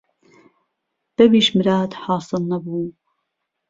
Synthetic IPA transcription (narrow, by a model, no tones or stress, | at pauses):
b̥ɛbiːʃmɨɾɑːd̪ħɑːsɨlnɐbuː